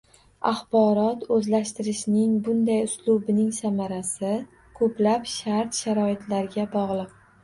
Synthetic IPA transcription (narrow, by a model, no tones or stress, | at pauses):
aχbɒɾɒt̪ɵzlaʃt̪ɪɾɪʃnɪŋbʊnd̪ajʊslˠʊbɪnɪŋsamaɾasɪ | kʰɵplapʃaɾt̪ʃaɾɒɪt̪ʰlaɾɪɡʲabɒʁlˠɨq̚